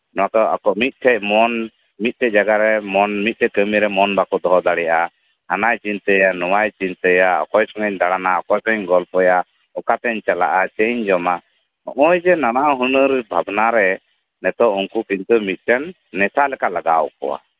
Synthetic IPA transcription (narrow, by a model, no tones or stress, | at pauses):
nɔwakɔa̰kɔmit̪̚ˀt̪ʰɛc̚mɔn | mit̪̚ˀt̪ɛd͡ʒaɡaɾɛmɔnmit̪̚t̪ɛkəmiɾɛmɔnbakɔd̪ɔɦɔd̪aɽɛjaʔa | hanajt͡ʃint̪əjanɔwajt͡ʃint̪əjaɔ̰kɔjsʰɔŋɛɲd̪aɽanaɔkɔjsɔɲɡɔlpɔja | ɔkat̪ɛɲt͡ʃala̰ʔat͡ʃəʔɲd͡ʒɔma | ɔ̰ʔɔjd͡ʒɛnanaɦunəɾbʱabnaɾɛ | nɛt̪ɔuŋkukint̪umit̪̚ˀt̪ɛnː | ɛsaʔlɛkalaɡawkɔ̰wa̰